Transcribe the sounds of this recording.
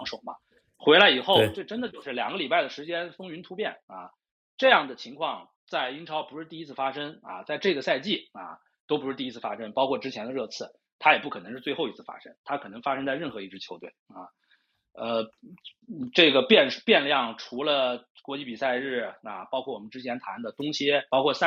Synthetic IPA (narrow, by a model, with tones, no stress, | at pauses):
ŋʂo˨˩mɐ̰˦ | xwe˧˥ɪla˧˥ɪi˨˩xo˥˩ʈ͡ʂɤ˥˩ʈ͡ʂə˥nd̪ə˨t͡ɕjo˥˧ʊʂɻ̩˥˩ljɑ˨˩ŋɡə˦li˨˩pa˥˩ɪd̪ə˩ʂɻ̩˧˥t͡ɕjɛ˥nfɤ˥ŋy˧˥nt̪ʰu˥pjɛ˥˩nɐ˧˩ | ʈ͡ʂɤ˥˧jɑ˥˩ŋd̪ə˩t͡ɕʰi˧˥ŋkʰwɑ˥˧ŋ | t͡sa˥˩ɪi˥ŋʈ͡ʂʰɑ˧˥ʊpu˧˥ʂɻ̩˥˧t̪i˥˧i˥t͡sʰɹ̩˥˩fa˥ʂə˥ŋɐ̰˨t͡sa˥˧ɪʈ͡ʂɤ˥˩ɡə˩sa˥˧ɪt͡ɕi˥˩ɐ̰˩ | t̪o˥ʊpu˧˥ʂɻ̩˥˧t̪i˥˧i˥t͡s̩ʰ˥˩fa̰˥ʂə˥ŋpɑ˥ʊkʰwɔ˥˩ʈ͡ʂɻ̩˥t͡ɕʰjɛ˧˥nd̪ə˧ɻɤ˥˧t͡sʰɹ̩˥˩ | t̪ʰa˥jɛ˨˩pu˥˩kʰnɤ˧˥ʂ̩˥˧t͡swe˥˧xo˥˩ʊi˧˥t͡sʰɹ̩˥˩fa̰˥ʂə˥ŋt̪ʰa˥kʰɤ˨˩nɤ˧˥ŋfa˥ʂɤ˥ŋt͡sa˥˧ɪɻə˥˩nxɤ˧˥i˥˩ʈ͡ʂɻ̩˥t͡ɕʰjo˧˥ʊt̪we˥˩ɪɐ˥˩ | ə˧ | ʈ͡ʂɤ˥˩ɡə˩pjɛ˥˧nʂ̩˥˩pjɛ˥˧nljɑ˥˩ŋʈ͡ʂʰu˧˥lə˧kwɔ˧˥t͡ɕi˥˩pi˨˩sa˥˧ɪɻɻ̩˥˩ɐ̰˩pɑ˥ʊkʰwɔ˥˩wɔ˨˩mə˦nʈ͡ʂɻ̩˥t͡ɕʰjɛ˧˥nt̪ʰa˧˥nd̪ə˨t̪ʊ˥ŋɕjɛ˥pɑ˥ʊkʰwɔ˥˧sa˥˧